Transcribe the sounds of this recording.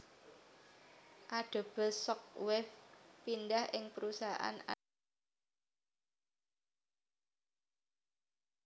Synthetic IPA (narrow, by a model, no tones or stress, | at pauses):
ʔaɖ̥o̤b̥ə̤sɔk̚wɪfpindahʔɪŋpəɾusaʔa̰na̰